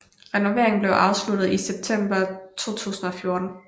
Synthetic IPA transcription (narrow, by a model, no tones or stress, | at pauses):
ʁɛno̝ʋe̝̰ɐ̰eŋn̩ble̝ʊʔɑ̈ʊslud̥ð̩ˠiseb̥̚t͡sʰem̰b̥ɐt͡sʰo̝̰ːt͡sʰṵːsn̩ɒ̽fjo̝ɐd̥n̩